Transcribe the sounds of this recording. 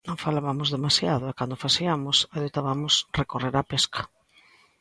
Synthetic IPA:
nõŋfalaβamʊzðemasjaðoɛkand̪ofasiamʊsaðet̪aβamʊsrekoreɾapeskʰḁ

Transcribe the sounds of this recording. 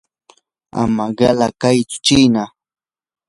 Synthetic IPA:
a̰maɢɑlakajt͡sʊ̥t͡ʃijna

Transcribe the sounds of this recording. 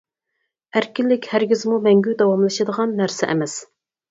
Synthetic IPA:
æɾkʲilːɪkʲhæɾɡʲizmumɛŋɡʲyd̪ɑwɑmlˠɨʃɨd̪əʁɑnːæɾsɛʔɛ̰mɛs

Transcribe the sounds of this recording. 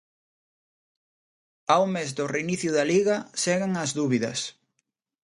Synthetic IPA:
awmezd̪ʊreiniθjʊðɐliɣɐsɛɣeŋɐzðuβiðɐ̰s

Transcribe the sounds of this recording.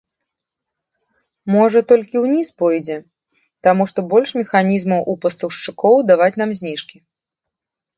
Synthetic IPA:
mɔʐɐt̪ɔlʲkʲiwnʲispɔjd͡zʲɛ | t̪amuʂt̪ɔbɔlʲʂmʲɛxanʲizmɐwʔupɐst̪ɐwʂt͡ʂɨkɔwd̪avat͡sʲn̪amzʲnʲiʂkʲi

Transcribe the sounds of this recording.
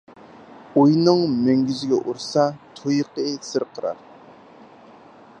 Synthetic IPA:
ujnɨŋmøŋɡʲyzɪɡʲɛʔuɾsɑt̪ʰujqəsɨɾqʰəɾɑ̰ɾ

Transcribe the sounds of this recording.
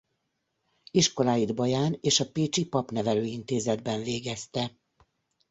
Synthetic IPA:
iʃko̞laːjid̪bɒjaːneːʃɒpeːt͡ʃipɒpnɛvɛløːint̪eːzɛd̪bɛɱveːɡɛst̪ɛ

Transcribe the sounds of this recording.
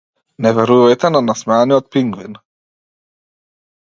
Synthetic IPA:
nɛvɛɾujajt̪ɛnanasmaːniɔt̪̚piŋɡvin

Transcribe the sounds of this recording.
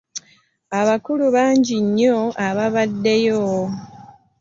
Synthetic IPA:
aβakuluβaːɲɟiɲːo̞aβaβadːe̞jo

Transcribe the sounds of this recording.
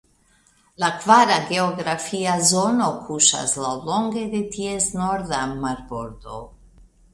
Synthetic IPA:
lakvaɾaɡe̞oɡɾafiazo̞no̞kʰuʃa̰slawlo̞ŋɡe̞d̪e̞tiesnoɾðamaɾbo̞ɾd̪o̞̰

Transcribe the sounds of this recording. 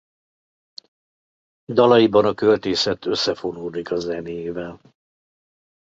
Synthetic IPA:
d̪ɒlɒjibɒnɒkø̞lt̪eːsɛt̪øsːɛfo̞nuːd̪ikɒzɛnejeːvɛl

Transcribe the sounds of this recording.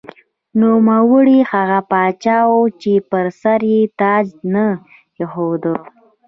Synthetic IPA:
numawəɽixaɣapɑt͡ʃɑwot͡ʃepəɾsaɾjet̪ɑd͡ʒnə | jexod̪ə

